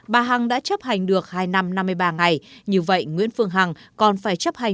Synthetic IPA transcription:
ɓaː˨˩ɦa˨˩ŋɗa̰ː˧˥t͡ɕə˦˥p̚ha˨˩jŋ̟ɗɨ˨˩ək̚haː˧jna˧mna˧mːɨ˧əjɓaː˧ŋa˨˩jɲɨ˧və̰˧˨jŋwḭ˧˥ənfɨ˧əŋɦa˨˩ŋkɔ˨˩nfaː˧˩jt͡ɕə˦˥p̚ha˨˩

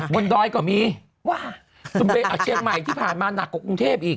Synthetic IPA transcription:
wo˧nɗɔː˧jkɔː˧˩miː˧ | waː˧˩ | t͡ɕu˧˩npe˧ʔaː˧˩t͡ɕʰi˧əŋma˨˩jt̪ʰiː˥˩pʰaː˨˩nmaː˧na˨˩kːɔː˨˧˩ku˧ŋt̪ʰeː˥˩p̚ʔiː˨˩

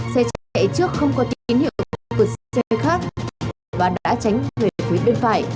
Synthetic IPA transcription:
sɛ˧t͡ɕḛ˧˨t͡ɕɨ˦˥ək̚xə˧wŋ͡mkɔ˨˦t̪i˨˦i˨˦nhḭ˧˨ə˨wpɨ˨˩k̚ssɛ˧xaː˦˥k̚ | vaː˨˩ɗa̰ː˧˥t͡ɕa˨˦jŋ̟t̪e˨˩˨fi˨˦jɓe˧nfa̰ː˧˨j

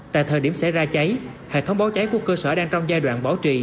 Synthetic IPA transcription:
t̪a̰ː˧˨jt̪ʰəː˨˩jɗi˧˩əmsa˧˩jzaː˧t͡ɕa˨˦jhḛ˧˨t̪ʰə˨˦wŋ͡mɓaː˨˦wt͡ɕa˨˦jku˧˩əkəː˧səː˧˩ɗaː˧ŋt͡ɕɔ˧wŋ͡mzaː˧jɗwa̰ː˧˨nɓaː˨˦wt͡ɕḭ˧˨

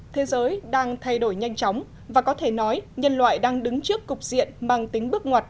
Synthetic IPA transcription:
t̪ʰe˨˦zəː˨˦jɗaː˧ŋt̪ʰa˧jɗo˧˩jɲa˧jŋ̟t͡ɕɔ˨˦wŋ͡m | vaː˨˩kɔ˨˦t̪ʰe˧˩nɔ˨˦jɲə˧nlwa̰ː˧˨jɗaː˧ŋɗɨ˨˦ŋt͡ɕɨ˦˥əkːʊ˨˩k͡p̚zḭ˧˨ənɓa˨˩ŋt̪ï˨˦ŋ̟ɓɨ˦˥ək̚ŋwaː˨˩t̚

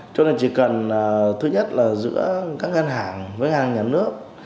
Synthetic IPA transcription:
t͡ɕo˧na˨˧˩t͡ɕi˧˩kə˨˩nː˨˩t̪ʰɨ˨˧˥ɲə˦˥t̚laː˨˩zɨ̰˧˥əkaː˦˥k̚ŋə˧nɦaː˧˩ŋvəː˨˦jŋaː˧˩˨ɲaː˨˩nɨ˦˥ək̚

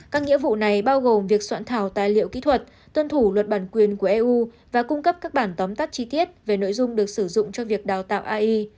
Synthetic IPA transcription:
kaː˦˥k̚ŋḭ˧˥əvṵ˧˨na˨˩jɓaː˧wɣo˨˩mvi˨˩ək̚swa̰ː˧˥nt̪ʰaː˨˩wt̪aː˨˩jlḭ˧˨əwkḭ˧˥t̪ʰwə˨˩t̚ | t̪wə˧nt̪ʰu˧˩lwə˨˩t̚ɓaː˧˩nkwi˨˩ənku˧˩əʔɛ˧ʔu˧ | vaː˨˩kʊ˧ŋ͡mkə˦˥p̚kaː˦˥k̚ɓaː˧˩nt̪ɔ˨˦mt̪a˦˥t̚t͡ɕi˧t̪i˦˥ət̚ve˨˩no̰˧˥jzʊ˧ŋ͡mɗɨ˨˩ək̚sɨ˧˩zʊ̰˧˨ŋ͡mt͡ɕɔ˧vi˨˩ək̚ɗaː˨˩wt̪a̰ː˧˨ʔaː˧ʔi˧

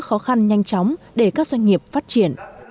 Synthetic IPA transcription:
xɔ˨˦xa˧nɲa˧jŋ̟t͡ɕɔ˨˦wŋ͡m | ɗe˧˩kaː˦˥k̚zwa˧ŋ̟ŋi˨˩əp̚faː˦˥t̚t͡ɕi˧˩ən

